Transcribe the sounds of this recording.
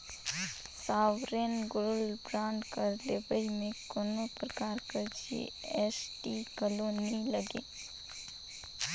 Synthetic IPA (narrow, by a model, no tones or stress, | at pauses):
saːʋɾeːnɡʊɾʊlbɾãːɳɖkɐɾlebəimẽkonõpɾəkaːɾkəɾd͡ʒḛɛsʈikəloniləɡḛ̃ː